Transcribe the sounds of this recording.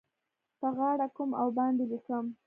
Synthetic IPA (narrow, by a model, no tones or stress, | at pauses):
pəɣɑɽakumawbɑnd̪elikəm